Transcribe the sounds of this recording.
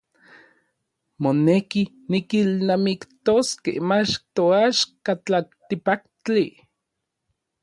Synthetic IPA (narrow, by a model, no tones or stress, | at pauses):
moneki | nikilnamikt̪oskḛhmat͡ʃt̪oaʃkat͡ɬat̪ipakt͡ɬi